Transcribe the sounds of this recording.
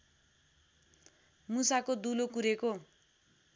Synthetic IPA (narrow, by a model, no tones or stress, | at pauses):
musakod̪ulokuɾeko